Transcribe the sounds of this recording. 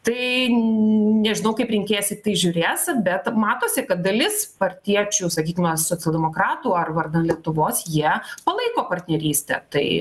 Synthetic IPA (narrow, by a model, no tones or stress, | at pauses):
t̪ɐɪ | nʲɛʒʲɪnɐʊkɐɪpɾʲɪŋʲkʲeːjoːsʲɪt̪ɐɪʒʲʊɾʲeːsbʲɛt̪mɑːt̪oːsʲɪkɐt̪̚d̪ɐlʲɪspɐɾʲt̪ʲiɛt͡ʃʲuːsɐkʲiːkʲɪmɐsoːtt͡sʲɛlˠd̪ʲɛmoːkɾɑːt̪uːɐrʋɐrd̪ɐnt̪lʲiɛt̪ʊʋoːsjiɛpɐlˠɐɪkoːpɐrʲt̪ʲnʲɛɾʲiːsʲt̪ʲɛ̰t̪ɐɪ